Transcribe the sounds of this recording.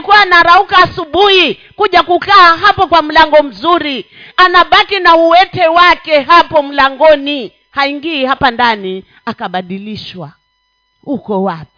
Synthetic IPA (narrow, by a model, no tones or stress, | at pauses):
ikuwanaɾaukaːsuɓuhi | kuʄakukaːɦapɔkwam̩laŋɡɔm̩zuɾi | anaɓakinauwɛtɛwakɛɦapɔm̩laŋɡɔni | haiŋɡiːhapandani | akaɓaɗiliʃwa | hukɔwap̚i̥